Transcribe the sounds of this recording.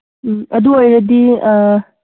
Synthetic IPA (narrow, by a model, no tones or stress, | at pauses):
m̩ɐd̪uojɾɐd̪i